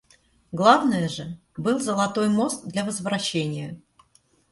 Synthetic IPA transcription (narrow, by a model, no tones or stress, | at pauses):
ɡlˠavnəjəʐɨ | bɨlˠzəlˠɐt̪o̞jmo̞st̪̚d̪lʲɐvəzvɾɐɕːenʲɪjə